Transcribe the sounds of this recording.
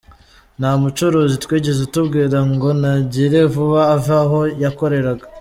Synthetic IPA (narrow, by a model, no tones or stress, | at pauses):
namut͡ʃoɾo̞zitwiːɟe̞zetubɡiːɾaŋɡo̞naɟiɾe̞vuβaːvaɦo̞jako̞ɾe̞ɾaɡa